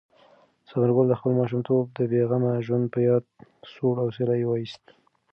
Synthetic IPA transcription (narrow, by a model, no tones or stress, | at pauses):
sabəɾɡʊld̪əxpəlmɑʃ̬umt̪ʰob̚d̪əbeɣamaʒwand̪̚pəjɑd̪̚soɽawselajwɑist̪